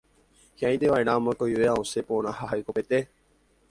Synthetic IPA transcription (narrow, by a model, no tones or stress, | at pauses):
hjãĩd̪eʋajnãmə̃koueaõsepoñãhaɦajkopet̪e